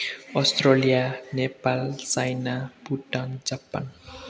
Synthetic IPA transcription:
ɔst̪rolijanepalt͡sajnapuʈand͡zapːa̰n

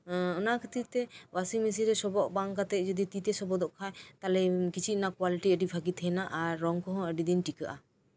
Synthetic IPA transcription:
ɔnakʰət̪it̪ɛwasimis̬iɾɛsɔbɔʔbaŋkat̪ɛʔ̚d͡ʒɔd̪it̪it̪ɛsɔbɔd̪ɔʔkʰajt̪alɛkit͡ʃʰinakwaliʈiəɖipaɡit̪ʰɛnaʔaɾːɔŋkɔɦɔ̃əɖid̪inʈikaʔa

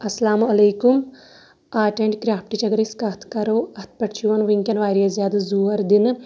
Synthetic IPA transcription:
ɐsɐlaːmɐlejkum | aːʈeɳʈkɾjaːp̚ʈit͡ʃɐɡɾiskɐt̪ʰkɐɾoːɐt̪̚ʰpɐʈt͡ʃiʋɐnʋiŋkʲɐnʋaːjɾjɐzjaːd̪ɨzuɐɾd̪in

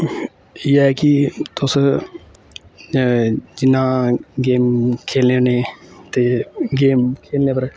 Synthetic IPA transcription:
jakit̪os | d͡ʒɪnãːɡeːmkʰeːlneoneːt̪eɡeːmkʰeːlnepɐɾ

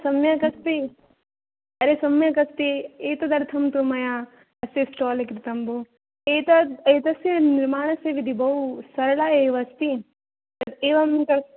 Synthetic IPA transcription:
sɐmjɐkɐst̪i | ɐɾesɐmjɐkɐst̪ieːt̪ɐd̪ɐɾt̪ʰɐmt̪umɐjã | ɐsesʈoːlekɾɪt̪ɐmbu | eːt̪ɐeːt̪ɐsiniɾmaːɳ̃ɐseʋid̪ʱibɐusɐɾlaeːʋɐst̪i | ɐeːʋɐmkɐɾ

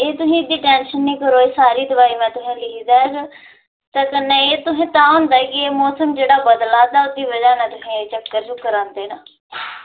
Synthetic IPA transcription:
eːt̪ʊsĩːd̪iːʈɛːnʃənːĩːkəɾoːeːsaːɾiːd̪əbaːiːmɛ̃ːt̪ʊsẽːlɪkʰid̪aːɛɡ | t̪ãːkənːẽːeːt̪ʊsẽːt̪ãːõːnd̪aːkɪeːmɔːsəmd͡ʒeːɽaːbəd̪laːd̪aːʊd̪iːbəd͡ʒaːnɛ̃ːt̪ʊsẽːt͡ʃəkːəɾd͡ʒʊːkːəɾãːnd̪eːnaː

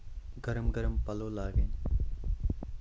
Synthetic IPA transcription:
ɡəɾəmɡəɾəmpəloːlaːɡen

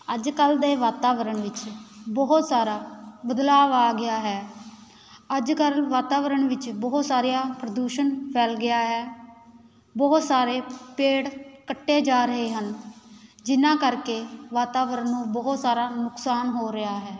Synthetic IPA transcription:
əd͡ʒkəld̪eːʋaːt̪aːʋəɾəɳʋɪt͡ʃbəɦʊt̪saːɾaːbəd̪laːʋaːɡɪaːɦɛː | əd͡ʒkəlʋaːt̪aːʋəɾəɳʋɪt͡ʃbəɦt̪saːɾɪjaːpɾəd̪uːʃənpʰɛːlɡɪaːɦɛː | bəʊt̪saːɾeːpeːɽkəʈːeːd͡ʒaːɾəɦeːɦən | d͡ʒɪnãːkəɾkeːʋaːt̪aːʋəɾənːũːbəɦʊt̪saːɾaːnʊksaːnɦoːɾɪɦaːɦɛː

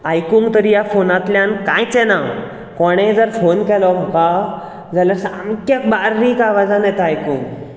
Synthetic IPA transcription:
ajkuŋɡt̪əɾijafonat̪ljãnkãjt͡sɛna | kɔɽ̃ẽd͡zəɾfonkɛlɔmʱɔka | d͡zʱaljaɾsamkəkbaɾːikaʋad͡zanɛt̪aajkuŋɡ

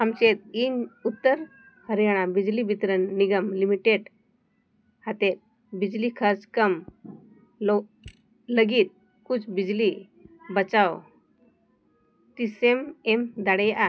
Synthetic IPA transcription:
amt͡ɕet̪̚inut̪ːəɾ | həɾjaɽ̃abid͡ʑlibit̪ɾənːiɡəmlimiʈeɖ | hat̪et̪̚ | bid͡ʑlikʰəskəm | lo | ləɡiːt̪̚ | kut͡sʰbid͡ʑli | bət͡saw | t̪isememd̪aɽejʔa

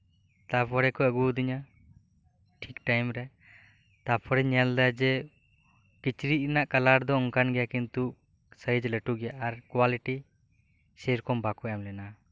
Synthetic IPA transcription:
t̪apʰɔɾɛkɔəɡud̪iɲa | ʈʰikʈajmɾɛ | t̪apʰɔɾɛɲɛld̪ad͡ʒɛ | kit͡ʃɾit̪̚naʔkalaɾd̪ɔɔŋkanɡɛjakint̪u | səid͡ʒlɛʈuɡɛjaʔaɾkwaliʈi | sɛɾkɔmbakɔjamlɛna

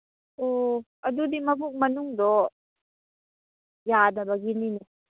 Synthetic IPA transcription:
o | ɐd̪ud̪imɐbuk̚mɐnuŋd̪ɔ | jadabaɡinini

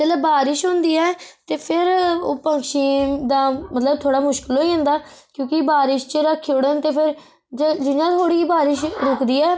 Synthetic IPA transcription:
d͡ʒət̪ləbbaːɾɪʃɦõːnd̪iːɛːt̪eːpʰɪɾoːpə̃ŋkʃiːmd̪aːmət̪ləb̚t̪ʰoːɽaːmʊʃkəlɦoːiːɦə̃nd̪aːkjõːkɪbaːɾɪʃt͡ʃəɾəkʰːioɽənt̪eːpʰɪɾ | d͡ʒəd͡ʒɪjãːt̪ʰoːɽiːbaːɾɪʃɾʊkd̪iːɛː

